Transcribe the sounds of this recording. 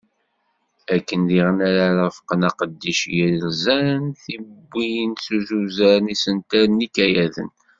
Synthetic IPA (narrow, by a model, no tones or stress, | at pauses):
ækːənðiʁənaɾaɾfqənɑqəd̪ːiʃjəllzæɾnθibːijənsuzuzæɾnisənt̪æɾənikæjæðə̰n